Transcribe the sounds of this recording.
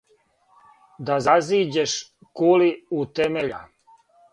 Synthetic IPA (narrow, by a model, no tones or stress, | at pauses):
d̪azaziːd͡ʑeʃ | kuliut̪emeʎa